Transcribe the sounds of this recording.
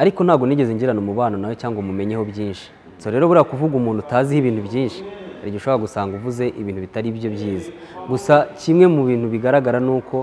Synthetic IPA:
aɾiko̞n̥haːɡoniɟe̞ziɲɟiɾanomuβaːno̞nawo̞caːŋɡomume̞ɲe̞ho̞bjiːnʃi̥ | coɾe̞ːɾo̞βuɾakuvuɡumuːndutaːzihiβiːn̥thubjiːnʃi̥aɾiɟiʃo̞βoɾaɡusaːŋɡuvuze̞ʔiβiːnhuβitaɾibjo̞bjiːza | ɡusacimŋe̞muβiːn̥huβiɡaɾaɡaɾanuːkʰo̞

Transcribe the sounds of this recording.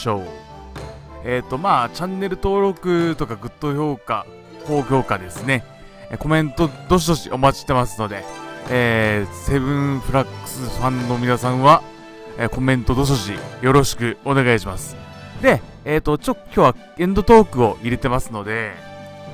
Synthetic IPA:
oː | eːt̪ːo̞maːt͡ɕãnːe̞ɾɯ̟t̪o̞ːɾo̞kɯ̟t̪o̞kaɡɯ̟t̪ːo̞ço̞ːka | ko̞ːçʲo̞ːkad̪e̞sɨne̞ | ko̞mẽ̞nt̪o̞d̪o̞ɕ̬id̪o̞ɕḭʔo̞mat͡ɕi̥t̪e̞masɨno̞d̪e̞ː | se̞βɯ̟̃ɰ̃ɸɯ̟ɾakːɯ̥sɨɸãnːo̞mʲinasãɰ̃βa | eːko̞mẽ̞nt̪o̞d̪o̞ɕ̬o̞ʑijo̞ɾo̞ɕi̥kɯ̟o̞ne̞ɡaiɕimasɨ̥ | d̪e̞ | eːt̪ːo̞t͡ɕokʲo̞ːβa | ẽ̞nd̪o̞t̪o̞ːkɯ̟o̞ʔiɾe̞t̪e̞masɨno̞d̪e̞

